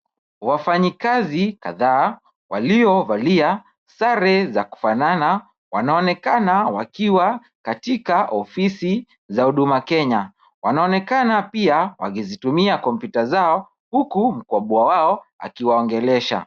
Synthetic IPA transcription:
wafaɲikazikaðaː | waliɔvalia | saɾɛzaku̥fanana | wanaɔnɛkanawakiwa | katikaʔɔfisi | zauɗumakɛɲa | wanaɔnɛkanapiawa̰kizitumiakɔmpjutazaɔ | hukum̩kɔɓuawaɔa̰kiwaɔŋɡɛlɛʃa̰

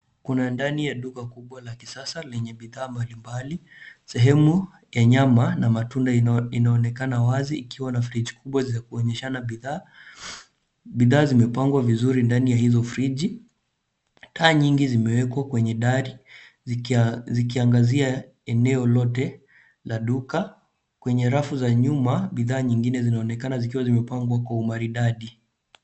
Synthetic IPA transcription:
kunandanijaɗukakuɓwalaki̥sasalɛɲɛɓiðaːmbalimbali | sɛɦɛmu | jaɲamanamatundainaɔnɛkanawaziːkiwanafɾid͡ʒikuɓwazakuɔɲɛʃanaɓiðaː | ɓiðaːzimɛpaŋɡwavizuɾindanijahizɔfɾiʄi | tʰaːɲiŋɡizimɛwɛkwakwɛɲɛɗaɾi | zikiaŋɡazia | ɛnɛɔlɔtɛ | laɗuka | kwɛɲɛɾafuzaɲumaɓiðaːɲiŋɡinɛzinaɔnɛkanazikiwazimɛpaŋɡwakwaumaɾiɗaɗi

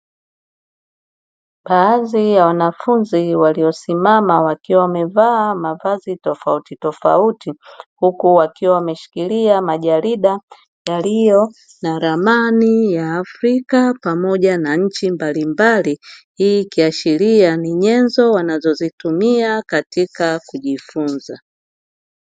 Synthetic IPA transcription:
ɓaazijawanafunziwaliɔsimamawakiwawamɛvaːmavazitɔfautitɔfa̰utihukuwakiwawamɛʃi̥kiliamaʄaɾiɗa | jalijɔ | naɾamanijaːfɾikapamɔʄanaɲ̩t͡ʃimbalimbalihiːkiaʃilianiɲɛnzɔwanazɔzitumiakatikakuʄifunza

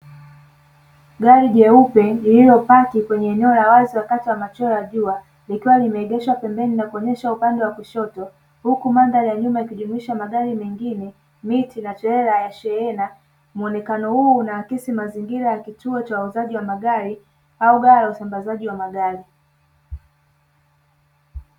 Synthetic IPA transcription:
ɡaɾiʄɛupɛlilijɔpakikwɛɲɛːɲɛɔlawaziwakatiwamat͡ʃɔaʄua | likiwalimɛːɠɛʃapɛmbɛninakuɔɲɛʃaupandɛwakuʃɔtɔ | hukumandaɾjaɲumaikuʄumuiʃamaɠaɾimɛŋɡinɛ | mitinat͡ʃɛɾɛɾajaʃɛɛna | muɔnɛkanɔhuːnaakisimaziŋɡiɾajakituɔt͡ʃawauzaʄiwamaɠaɾi | auɡaɾajausambazaʄiwamaɠaɾi

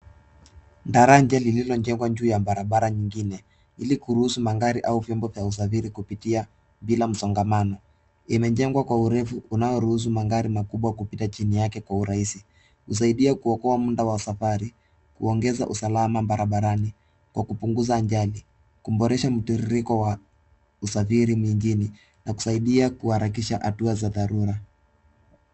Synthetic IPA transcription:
ndaɾaɲd͡ʒalililɔɲd͡ʒɛŋɡwaɲd͡ʒuːjambaɾaɓaɾaɲiŋɡinɛ | ilikuɾuhusumaŋɡaɾiʔauvjɔmbɔvjaus̬afiɾikupitia | ɓilam̩sɔŋɡamanɔ | imɛɲd͡ʒɛŋɡwakwauɾɛfuːnajɔɾuhus̬umaŋɡaɾimakuɓwakupitat͡ʃinijakɛkwauɾaisi | hus̬aiɗiakuɔkɔamundawausafaɾi | kuɔŋɡɛza̰ʔusalamambaɾaɓaɾani | kwakupuŋɡuzaːɲd͡ʒali | kum̩bɔɾɛʃam̩tiɾiɾikɔwa | usafiɾimiŋɡini | naku̥saiɗiakuhaɾak̬iʃaʔa̰tuazaðaɾuɾa

